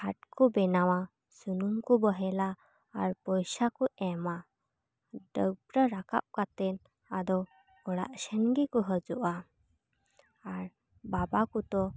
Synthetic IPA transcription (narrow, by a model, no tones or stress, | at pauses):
hʰaʈ̚kubɛnawa | sunumkubəɦɛlaː | ɾpɔjsakuʔɛma | ɖəɡbɾəɾaka̰p̚kat̪ɛn | ad̪ɔ | ɔɽa̰ʔsɛnɡikuɦəd͡ʒuʔa | aɾ | babakut̪ɔ